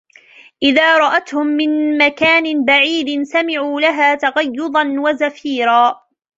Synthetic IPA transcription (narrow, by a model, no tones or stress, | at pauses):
ʔɪðaːɾˤɑʔat̪hʊmːɪnmakaːnɪnbaʕiːd̪ɪnsamɪʕuːlaɦaːt̪aɣɑjːʊd̪ˤɑnwazafiːɾaː